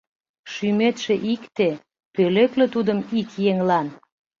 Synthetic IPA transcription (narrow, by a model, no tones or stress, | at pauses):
ʃymet̪ʃĕʔikt̪e | pøleklĕt̪ud̪əmikjeŋlɑn